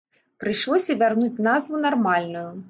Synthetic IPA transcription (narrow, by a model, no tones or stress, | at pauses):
pɾɨjʂlˠɔsʲɐvʲarnut͡sʲnazvunarmalʲnuju